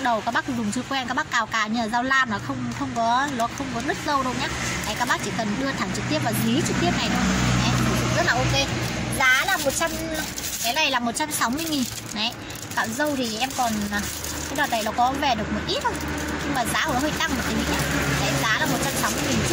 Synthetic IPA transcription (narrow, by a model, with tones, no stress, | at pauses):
ɗə˨˩wkaː˦˥k̚ɓa˦˥kɗʊ˨˩ŋ͡mt͡ɕɨ˧kwɛ˧nkaː˦˥k̚ɓa˦˥kːaː˨˩wkaː˨˩ɲɨː˧˨˧zaː˧wlaː˧mnɔ˨˩xə˧wŋ͡mxə˧wŋ͡mkɔ˨˦lɔ˨˦xə˧wŋ͡mkɔ˨˦nɨ˦˥t̚zə˧wɗə˧˩wɲaː˦˥na˨˦jkaː˦˥k̚ɓa˦˥k̚t͡ɕi˧˨˩kə˨˩nɗɨ˧ət̪ʰa˨˩ŋt͡ɕɨ˨˩k̚t̪i˦˥əp̚vaː˨˩zi˨˦t͡ɕɨ˨˩k̚t̪i˦˥əp̚na˨˩jɗo˨˩˨a˨˩na̰˨˧˦o˧˩u˧˩zə˦˥laː˨˩ʔo˧ke˨˦zaː˨˦laː˨˩mo˨˩t̚t͡ɕa˧mka˨˦jna˨˩jlaː˨˩mo˨˩t̚t͡ɕa˧msa˨˦wmɨ˧əjŋi˨˩nːa˨˦j | ka̰ː˧˨wzə˧wt̪ʰi˨˩ʔɛ˧mkɔ˨˩nː˨˩ | tʰa˨˦ɗɔ˨˩ɗə˨˩jlɔ˨˦kɔ˨˦ve˨˩ɗɨ˨˩ək̚mo˨˩t̚ʔi˦˥t̚hə˧wŋ͡mɲɨ˧ŋmaː˨˩za̰ː˧˦hə˧˩˦ɦəː˧jt̪a˧ŋmə˨˩t̪ʰi˨˦i˧˦ɲaː˧˦˧t̪ʰe˨˦zaː˨˦laː˨˩mo˨˩t̚t͡ɕa˧msa˨˦wmɨ˧əjŋi˨˩nt͡ɕ̚